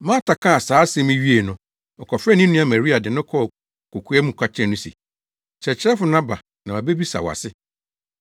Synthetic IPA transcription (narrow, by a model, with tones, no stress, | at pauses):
mã˦tʰa˨kʰã˦a˨saː˨˦sɛ̃˦mĩ˦ɥi˦e˨nʊ̃˨ | ɔ˨kʰɔ˨fɾɛ˦nĩ˦nũ˦a˨mæ̃˨ɾi˦a˨dɪ˨nʊ̃˦kʰɔ˦˨ | ko˨kʰu˨˦æ˦mũ˨kʰʷa˦t͡ɕʰɛ̃˦˨nʊ̃˦sḛ˨ | sɛ˨t͡ɕʰɪ˦ɾɛ˦fʊ˨˦nã˦ba̰˨ | nã˨a˨be˦bi˦sa̰˨wa̰˨sɪ˦